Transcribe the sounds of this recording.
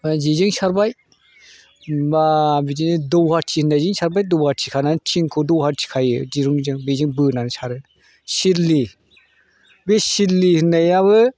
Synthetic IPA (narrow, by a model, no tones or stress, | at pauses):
ad͡ʒid͡ʒɯŋʃaɾbaj | babid͡ʒiidɔwhatʰihɯnad͡ʒɯŋsaɾbajdowhaɾtʰikʰanant͡ʃʰiŋkʰodowhaɾtʰi̥kʰajɯd͡ʒiɾuŋd͡ʒɯŋbed͡ʒɯŋbɯnanɯsʰaɾɯ | siɾli | besiɾlihɯnajaβɯ